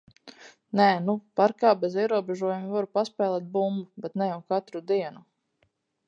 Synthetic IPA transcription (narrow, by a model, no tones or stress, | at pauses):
nɛːnupaɾkaːbɛziɛɾuɔbɛʒuɔjumivaɾupaspɛːlˠɛːt̪̚bumbubɛt̪nɛjawkat̪ɾud̪iɛnu